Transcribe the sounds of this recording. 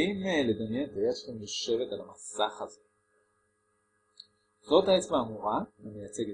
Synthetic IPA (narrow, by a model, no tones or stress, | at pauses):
imle̞d̪amjenethajaʃelamjoʃe̞ve̞talamasaχaze | zo̞t̪aet͡smaːmuʁamamejat͡seɡe